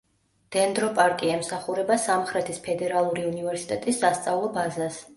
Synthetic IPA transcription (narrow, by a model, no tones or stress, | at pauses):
d̪̥ɛnd̪ɾɔpʼaɾkʼiɛmsaχuɾɛbasamχɾɛt̪ʰispʰɛd̪ɛɾalˠuɾiunivɛɾsit̪ʼɛt̪ʼisːast̪sʼavlˠɔbazas